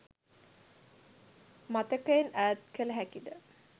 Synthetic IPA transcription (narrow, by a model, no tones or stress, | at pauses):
mat̪əkəenæːt̪kələɦækid̪ə